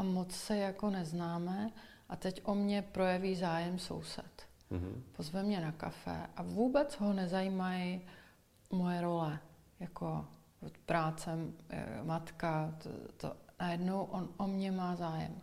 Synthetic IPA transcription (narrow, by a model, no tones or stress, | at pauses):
ʔamot͡ssɛjako̞nɛznaːmɛʔat̪ɛcʔo̞mɲɛpɾo̞jɛviːzaːjɛmso̰wsɛ̰t̪ | pozvɛmɲɛnaka̰fɛ̰ʔavuːbɛt͡sɦonɛzajiːmajɪ | mo̞jɛɾo̞lɛ | jakʰo | pɾaːt͡sɛ̰mat̪kat̪o̰najɛdnowʔonʔomɲɛmaːzaːjɛ̰m